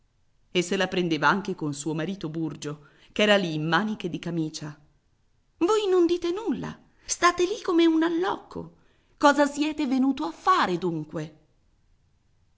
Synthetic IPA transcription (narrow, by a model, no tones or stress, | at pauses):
esːelapɾend̪eːvaaŋk̟ekonsuːomaɾiːt̪oburd͡ʒo | kɛːɾaliːmːaːnik̟ed̪ikamiːt͡ʃa | vojnond̪iːt̪enulːa̰ | st̪aːt̪elikːomeunalːɔkʰːo̰ | kɔːzasjɛːt̪evenuːt̪oafːaːɾed̪uŋkwe